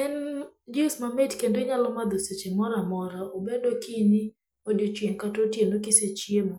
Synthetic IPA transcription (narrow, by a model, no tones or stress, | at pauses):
ɛnd͡ʒismametkendoɲalɔmad̪oset͡ʃemɔɾamɔɾaobedokɪnɪ | odot͡ʃweŋkatotjenokɪset͡ʃjemɔ